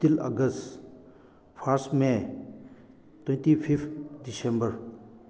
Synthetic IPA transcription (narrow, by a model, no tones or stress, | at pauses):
t̪ilɐ̰ɡəs | pʰaɾsʈme | t̪wẽntipʰipdisẽmbəɾ